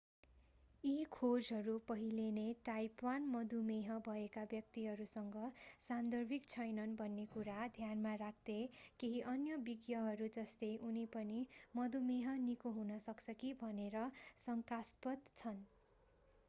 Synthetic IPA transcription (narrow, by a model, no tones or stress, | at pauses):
ikʰod͡zɦʌɾupʌɦileneʈajpwanmʌd̪umeɦʌbʱʌekabjʌk̚t̪iɦʌɾusʌŋɡʌsand̪ʌrbʱikt͡sʰʌjnʌnbʱʌnːekuɾad̪ʱjanmaɾak̚ʰt̪ekeɦiʔʌnjʌbiɡjʌɦʌɾud͡zʌst̪ejʔunipʌnimʌd̪umeɦʌnikoɦunʌsʌkt͡sʰʌkibʱʌneɾʌsʌŋkaspʌt̪t͡sʰʌn